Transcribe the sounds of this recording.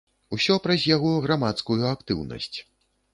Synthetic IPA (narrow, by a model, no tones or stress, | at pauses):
usʲɔpɾɐzʲjaɣɔɣɾamat̪skujuakt̪ɨwnɐ̰sʲt͡sʲ